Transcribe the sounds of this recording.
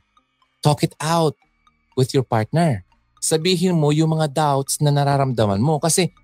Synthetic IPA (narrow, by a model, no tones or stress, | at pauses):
t̪oːkɪt̪awt̪̚ | wɪðjɔɹpaɹt̪̚nɛɹ | sɐbiːɦɪnmo̞jʊŋmɐŋad̪awt̪snɐnɐɾaːɾɐmd̪ɐmɐ̰nmo̞kɐsɛ